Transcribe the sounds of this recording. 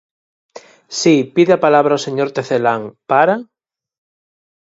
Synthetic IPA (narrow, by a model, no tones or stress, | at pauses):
sipiðeapalaβɾaoseɲoɾt̪eθelaŋpaɾa